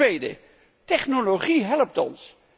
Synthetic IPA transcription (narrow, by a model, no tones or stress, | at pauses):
ejdə̰ | tɛχnoloχiɦɛləp̚tɔ̰ns